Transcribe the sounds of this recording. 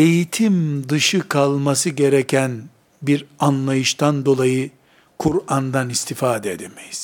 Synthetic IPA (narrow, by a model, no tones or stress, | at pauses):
e̞jit̪ʰimd̪ɯʃɯkʰalˠmasɯɟe̞ɾecʰæn | biɾanlˠajɯʃt̪ʰand̪o̞lˠajɯ | kʰuɾand̪anist̪ʰifaːd̪ɛed̪emejiz̥